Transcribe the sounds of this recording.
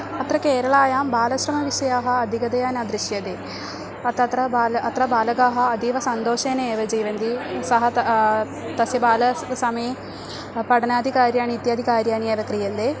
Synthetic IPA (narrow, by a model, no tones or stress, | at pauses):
ɐt̪ɾɐkeːɾɐɭaːjaːmbaːlɐʃɾɐmɐʋiʃɐjaːɦɐɐd̪ʱikɐd̪ɐjaːnɐd̪ɾiʃjɐd̪eː | ɐt̪ɐt̪ɾɐbaːlɐt̪ɾɐbaːlɐɡaːɦɐɐd̪iːʋɐsɐnd̪oːʃeːneeːʋɐd͡ʒiːʋɐnd̪isɐɦɐ | t̪ɐsjɐbaːlɐsɐmɐje | pɐɽɐnaːd̪ʱikaːɾjaːnit̪jɐːd̪ʱikaːɾjaːnieːʋɐkɾijɐnd̪eː